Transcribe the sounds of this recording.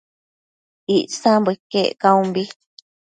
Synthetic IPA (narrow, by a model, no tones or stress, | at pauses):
iʔsãmbɨkeʔkaũmbi